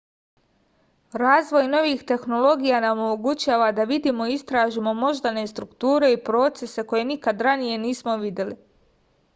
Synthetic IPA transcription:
ɾaːzʋo̞jno̞ʋiːxt̪e̞xno̞lˠo̞ɡijanaomomoɡut͡ɕaːʋad̪aʋid̪iːmo̞ist̪ɾaːʒimo̞mo̞ʒd̪ane̞st̪ɾukt̪uːɾe̞ipɾo̞t̪se̞se̞ko̞je̞nikad̪ɾanije̞niːsmo̞ʋid̪je̞li

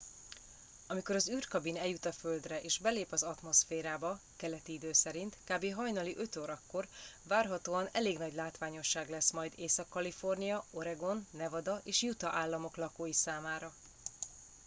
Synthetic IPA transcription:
ɒmikoɾɒzyːrkɒbinɛjut̪ɒfø̞ld̪rɛʔeːʒbɛleːpɒzɒt̪mo̞sfeːɾaːbɒ | kɛlɛt̪iid̪øːsɛɾint̪kaːbeːɦɒjnɒliʔø̞t̪oːɾɒkːo̞rvaːrɦɒt̪oːɒnɛleːɡnɒɟlaːt̪ʋaːɲo̞ʃːaːɡlɛsmɒjd̪eːsɒkːɒlifo̞rnijɒo̞ɾɛɡo̞nːɛvɒd̪ɒʔeːʃjut̪ɒʔaːlːɒmo̞klɒkoːjisaːmaːɾɒ

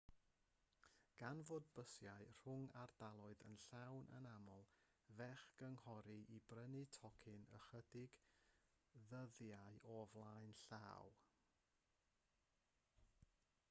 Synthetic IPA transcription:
ɡ̥anvoːd̚bəsjaɨr̥ʊŋardalˠɔɨðə̰nɬawnʔə̰namɔlˠ | vɛχɡ̥əŋhɔɾiʔibrənitʰɔkʰɪnə̰χədɪɡ̥ | ðəðjaɨɔvlˠaɨnɬaːw

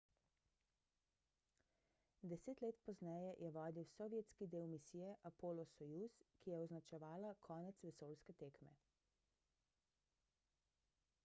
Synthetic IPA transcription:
d̪ɛseːt̪leːt̪pɔznɛjɛjʔɛʋɔːd̪iwsɔʋjet̪skid̪eːwmisiːjɛʔapoːlɔsɔjuskijɛɔznat͡ʃɛʋaːlakʰɔːnɛt̪sʋɛsoːlskɛt̪eːkmɛ̰

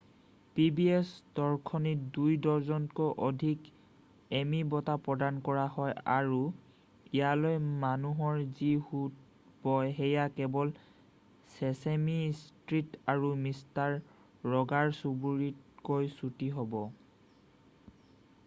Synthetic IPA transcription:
pibiesdɔɹkʰɔnitdujdɔɹzɔnkoʔɔdʱik | emibɔtapɹɔdankɔɹaɦɔja̰ɹu | ijalojmanuɦɔɹzihut̚ | bɔjɦɛjakɛbɔl | sɛsemistɹitaɹumistaɹː | ɔɡaɹsubuɹit̚kojsutiɦɔbɔ

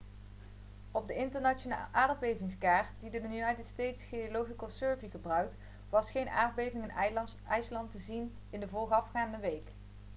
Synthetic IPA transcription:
ɔb̚dəɪntəɹnana̰lʔaːdbejvɪŋskaːɹtdidəjunɑjtətstejtsχejolowχikəlˠsøːɹviχəbrœɥk̚t | ʋɑsχejnʔaːrbejvɪŋɪn | ɛjslɑntəzin | ɪndəvɔːlˠχəɑfχaːndəʋejk

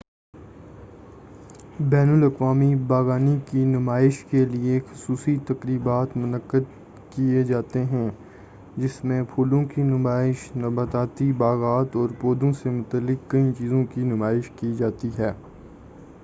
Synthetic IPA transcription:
bɛːnʊlɐkʋaːmibaːɣaːnikinʊmaːɪʃkeliexʊsuːsit̪ɐkɾiːbaːt̪mʊnəkːəd̪ | kijed͡ʒaːt̪eɦɛ̃ | d͡ʒɪsmẽpʰuːlõkinʊmaːɪʃnɐbət̪aːt̪ibaːɣaːt̪ɔːɾpoːd̪õsemʊt̪əlːɪkːɐĩt͡ʃiːzõkinʊmaːɪʃkid͡ʒaːt̪iɦɛː

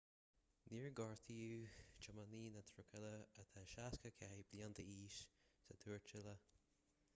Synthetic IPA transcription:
niːɹɡɑɹt̪ʰiut͡ʃəmaniːnət̪ʰɾʊkʰɛləət̪ʰaʃaskəkʰɛbliant̪əiːʃsət̪ʰuːɹt͡ʃɪlə

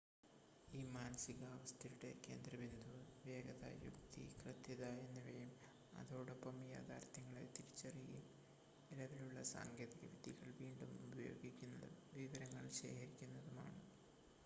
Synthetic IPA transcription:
iːmaːnɐsiɣaːʋɐst̪ʰɐɾuɽḛke̞ːnd̪rɐbind̪ʱuʋe̞ːɡɐðɐ̰jṵkt̪ḭkrɨt̪jɐðɐe̞nːiʋɐjum | ɐ̰ðo̞ːɽopːɐmja̰ːd̪ʱaːɾt̪ːɐŋːɐɭḛt̪iɾit͡ɕːɐrijum | ilɐʋiluɭːɐsa̰ːŋɡʱjeːðiɣɐʋid̪ʱiɣɐɭʋiːɳɖumubɐjo̞̰ːɡikʲːunːɐðɨ̰ʋiʋɐɾɐŋːɐɭɕe̞̰ːkʰɐɾikʲːunːɐðuma̰ːɳɨ

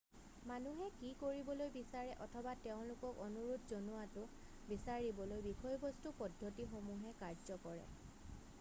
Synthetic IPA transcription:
manuɦɛkikoɹibɔlojbisaɹɛʔɔtʰɔbateʊ̃lʊkɔkɔnuɹutʰzɔnuatʊ | bisaɹibɔlojbikʰɔjbɔstupɔdʱːotixomuɦɛkaɹzɔkɔɹɛ̰

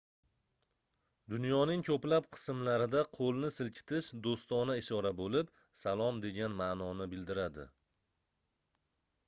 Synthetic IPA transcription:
d̪ʊnjɒnɪŋkʰɵplapqʰɨ̥smlaɾɪd̪aqʰolˠnɪsɪlkʲʰɪ̥t̪ʰɪʃd̪ost̪ɒnaɪʃɒɾabolɪp | salˠɒmd̪e̞ɡʲanmanɒnɪbɪld̪ɪɾad̪ɪ̰

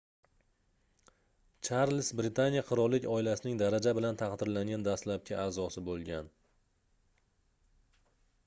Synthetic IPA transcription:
t͡ʃʰaɾlsbɾɪt̪ʰanijaqʰɨɾɒɾlːɪkʲʰɒɪlasɪnɪŋd̪aɾad͡ʒabɪlant̪ʰɑqd̪ɪɾlaŋɡʲand̪aslap̚kʰʲaaːzɒsɪbolˠɡʲan

